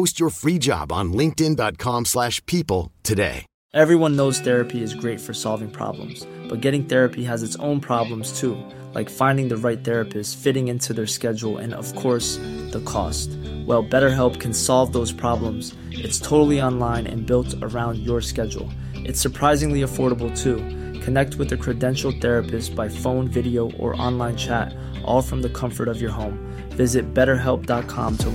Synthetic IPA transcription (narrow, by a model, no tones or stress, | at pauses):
oʊst͡ʃə˞fɹid͡ʒɑ̰b̃n̩lɪ̃ŋk̚tɨ̃ndɑt̚kʰɑ̃mslæʃpʰipl̩ˠtʰɨdḛɪ | ʔɛvɹiwʌ̃nːoʊz̥θɛɹɨpʰiɨzɡɹeɪtfə˞sɑlˠvɪ̃ŋpʰɹ̥ɑ̰blə̰̃mz̥b̥ʌt̚ɡ̥ɛɾɪ̃ŋθɛɹɨpʰiəzɨtsõ̰ʊ̃npʰɹ̥ɑblə̃mz̥tʰu | la̰ɪkfãɪ̃ndɪ̃ŋðɨɹaɪt̪̚θɛɹɨpɨstfɪɾɪ̃ŋɪ̃ntʰʉðə˞skɛd͡ʒl̩ˠɨ̰̃nʌ̰v̥kʰɔɹsðəkʰɔ̰stwʔɛlˠbɛɾə˞ɦɛlˠp̚kʰɨ̃n̩sɑlˠvðoʊz̥pʰɹ̥ɑblə̃mz̥ | ʔɨtstʰoʊɾl̩ˠiɑ̃nlãɪ̃nɨ̰̃nbɪlˠtə̰˞ãʊ̃ndjə˞skɛd͡ʒl̩ˠ | ʔɨtsə˞pʰɹ̥aɪzɪ̃ŋliəfɔɹɾəbl̩ˠtʰu | kʰɨnɛk̚t̚wɨðɨkʰɹ̥ɨdɛ̃nʃl̩ˠθɛɹɨpʰɨstsb̥aɪfõʊ̃nvɪɾioʊʔə̰˞ʔɑ̰̃nlãɪ̃nt͡ʃʰæɾ | ʔɔ̰lˠfɹʌ̃mðɨkʰʌ̃ɱfə˞ɾʌvjə˞ɦõʊ̃m | vɪzɨt̚b̥ɛɾə˞ɦɛlˠp̚d̥ɑt̚kʰɑ̰̃mtʰə